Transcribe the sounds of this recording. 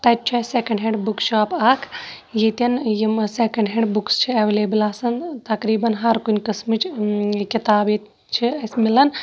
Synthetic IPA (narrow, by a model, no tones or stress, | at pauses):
t̪ɐt̚t͡ʃʰɐseːkɐ̃ɳɖɦẽɳɖbukʃʰaːpaːkʰ | jit̪ɐnjimseːkɐɳɖɦeɳɖbukst͡ʃʰiɐʋeleːbilaːsɐnt̪ɐkɾiːbɐnɦɐɾkunʲkɐsmit͡ʃkit̪aːbet̪ | t͡ʃʰiɐsmilɐn